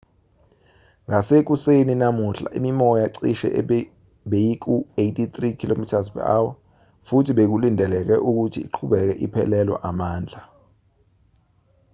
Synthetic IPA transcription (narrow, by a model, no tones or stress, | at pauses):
ŋasek̬useninamuɬa̰ʔimimɔjaǀiʃɛ̰ʔ | ɓejik̬ʰʼuejtʰʼit̪ʼrikʰilomitʰas̬pʰɛ̰ʔawa | futʰiɓek̬ulindʱɛlɛk̬ɛʔuk̬utʰiːǃʰuɓɛk̬ɛʔipʰɛ̰lɛlwa̰ʔamaːnd͡ɮʱa